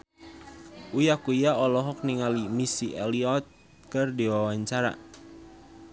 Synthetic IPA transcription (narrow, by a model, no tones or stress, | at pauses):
ʔujakujaɔlɔɦɔk̚niŋalimisiʔɛliɔt̪̚ | kərdiwawaɲt͡ʃaɾa̰